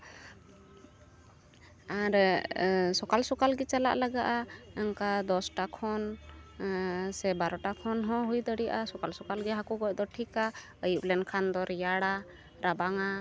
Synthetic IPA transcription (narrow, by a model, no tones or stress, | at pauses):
aɾ | sɔkalsɔkalɡɛt͡ʃala̰ʔlaɡaʔaɛŋkad̪ɔsʈakʰɔn | sɛbaɾɔʈakʰɔnɦɔ̃ɦujd̪əɽiaʔasɔkalsɔkalɡɛɦakɔɡɔcd̪ɔʈʰika | əjuʔlɛnkʰand̪ɔɾjaɽa | ɾabaŋa